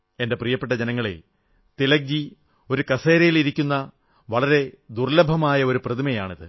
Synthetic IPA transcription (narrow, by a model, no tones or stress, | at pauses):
e̞nde̞prijɐpːeʈːɐd͡ʑenɐŋːɐɭḛ | t̪ilɐk̚d͡ʑi | o̞ɾukɐseːɾɐjiliɾikʲːunːɐ | ʋɐɭɐɾe̞d̪urlɐbʱɐmaːjɐo̞ɾuprɐðimɐjaːɳiðɨ